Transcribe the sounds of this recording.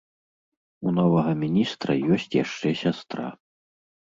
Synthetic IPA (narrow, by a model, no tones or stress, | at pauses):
unɔvɐɣɐmʲinʲist̪ɾɐ̰jɔsʲt͡sʲja̰ʂt͡ʂɛsʲast̪ɾa̰